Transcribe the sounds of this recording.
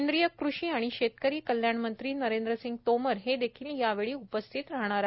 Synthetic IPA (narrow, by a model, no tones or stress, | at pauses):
nd̪ɾijəkɾuɕiːaɽ̃iɕet̪̚kəɾiːkəljaɳmənt̪ɾiːnəɾend̪ɾəsiŋɡ̚t̪oməɾɦed̪ekʰiːljaʋeɭiːupəst̪ʰit̪ɾaɦɳ̃aɾa